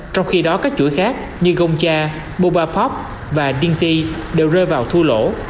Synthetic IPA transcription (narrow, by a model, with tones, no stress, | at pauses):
t͡ɕɔ˧wŋ͡mxi˧ɗɔ˨˦kaː˦˥k̚t͡ɕṵ˧˩əjxaː˦˥k̚ | ɲɨ˧ɣə˧wŋ͡mt͡ɕaː˧ | ɓo˧ɓaː˧pʰɔ˦˥p̚ | vaː˨˩ɗi˧ŋt̪i˧ɗe˨˩wzəː˧vaː˨˩wt̪ʰu˧lo̰˧˩˨